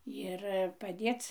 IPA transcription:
jɪr pɐˈdʲeːt͡s

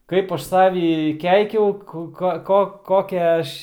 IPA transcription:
ˈkɐɪp ˈɐʃ ˈsɑːʋʲɪ ˈkʲɛɪkʲɛʊ ˈkʊ ˈkoː ˈkoː ˈkoːkʲæː ˈɐʃ

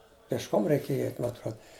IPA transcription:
pʲeːʃˈkoːm rʲɛɪˈkʲeːjɛ ˈɛɪtʲ mɐ ɐtˈruɔt

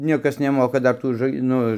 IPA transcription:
ˈnʲiɛkɐs nʲɛˈmoːkɐ ˈdɐr ˈtuː ʒɐ ˈnʊ

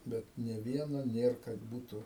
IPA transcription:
ˈbʲɛt nʲɛ ˈʋʲiɛnoː ˈnʲeːr kɐt ˈbuːtʊ

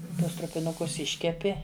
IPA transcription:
ˈtuɔs trʊpʲɪˈnʊkʊs ˈɪʃʲkʲɛpʲɪ

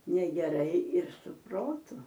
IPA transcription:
nʲɛɡʲɛˈrɐɪ ɪr sʊ ˈproːtʊ

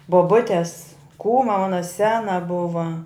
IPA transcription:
boːˈbʊtʲɛs ˈkuːmɐ ˈmɑːnɐ ˈsʲæːnɐ ˈbʊʋɐ

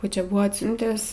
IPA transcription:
ˈkuː ˈt͡ʃʲɛ ˈbʊʋoː ɐtʲˈsʲʊnʲtʲæːs

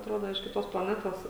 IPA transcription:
ɐtˈroːdoː ɪʃ kʲɪˈtoːs plˠɐˈnʲæːtoːs

